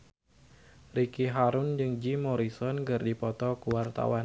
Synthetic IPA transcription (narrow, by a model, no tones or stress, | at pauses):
rikiɦaɾʊnd͡ʒɨŋd͡ʒimɔɾisɔnɡɨrdipɔt̪ɔkuwart̪a̰wan